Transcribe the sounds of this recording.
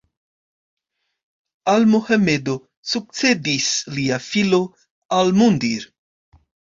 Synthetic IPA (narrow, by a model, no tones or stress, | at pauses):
almuhamed̪o | suk̚t͡se̞d̪isliafilo̞ | almund̪iɾ